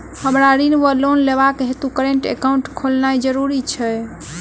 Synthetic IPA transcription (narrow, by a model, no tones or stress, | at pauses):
həmɾaɾinʋəlonleβakɦet̪ukəɾeɳʈḛkaũɳʈkʰolnajd͡ʒəɾuɾit͡ʃʰɛ